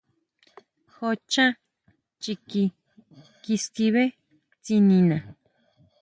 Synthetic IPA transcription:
xo˧t͡ʃã˦ | t͡ʃi˧ki˧ | ki˧ski˧βe˦ | t͡si˧nĩ˧nã˨

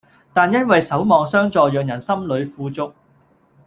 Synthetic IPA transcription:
t̪aː˨njɐ˥nwɐ˨jsɐ˨˥wmɔː˨˧ŋsœː˥ŋt͡sɔː˨jœː˨ŋjɐ˨˩nsɐ˥mlɵ˨˧ɥfuː˧t͡sʊ˧k̚

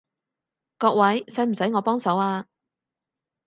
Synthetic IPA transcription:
kɔː˧k̚wɐ˨˥jsɐ˨˥jm̩˨˩sɐ˨˥jŋɔː˨˧pɔː˥ŋsɐ˨˥waː˧

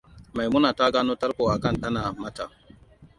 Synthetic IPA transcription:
ma˨jmʊ˦naː˨ta˦ɡaː˦noː˦tɐ˦ɾkʷoː˨ʔa˨kɐ˦nɗɐ˦naː˨mɐ˦ta˨

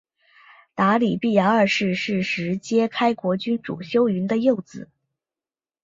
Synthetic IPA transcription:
t̪a˧˥li˨˩pi˥˩ja˧˥ŋə˞˥˩ʂɻ̩˥˩ʂɻ̩˥˩ʂɻ̩˧˥t͡ɕjɛ˥kʰa˥ɪkwɔ˧˥t͡ɕy˥nʈ͡ʂṵ˨˩ɕjo˥ʊy˧˥nd̪ə˧jo˥˩ʊt͡sɹ̩˨˩˦

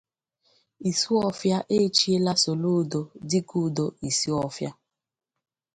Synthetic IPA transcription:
i˨su˦ɔ˦fja˦ʔe˦t͡ʃi˦e˦la˦so˨lo˦do˨dɪ˦ku˦˨do˨i˨si˦ɔ˦fja˦

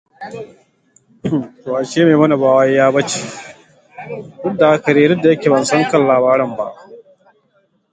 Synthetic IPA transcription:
toː˨ʔa˨ʃeː˦meː˨mɐ˦na˨baː˦wɐ˦jjaː˦bɐ˦t͡ʃe̥˨ | dʊ˦dːa˨ʔa˦kɐ˨ɾeː˦ɾɪ˦dːa˨jɐ˦kʲeː˨bɐ˨nsɐ˦ŋkɐ˨nlaː˨βaː˦ɾɐ˦mba̰˦˨ʔ

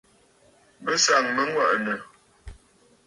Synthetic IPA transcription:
bə˦sa˨ŋmə˦ŋwa̰˨ʔnə˨

